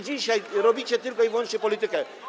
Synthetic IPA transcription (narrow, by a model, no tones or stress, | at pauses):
d͡ʑiʃeɾobit͡ʃʰet̪iɾkojbonʃepolit̪eka